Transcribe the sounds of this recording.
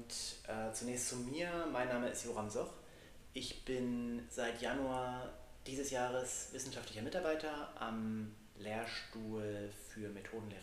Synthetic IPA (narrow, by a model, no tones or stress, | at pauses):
tʔɛːt͡sunɛːçstt͡sumiːɐmaɪnːaːməɪstjoːʁamzɔχ | ʔɪçb̥ɪnzaɪtjanuad̥iːzəsjaːʁəsv̥ɪsn̩ʃaftlɪçɐmɪtaɐbaɪtɐʔa̰m | leːɐʃtuːlfyːɐmetʰoːdn̩leːʁə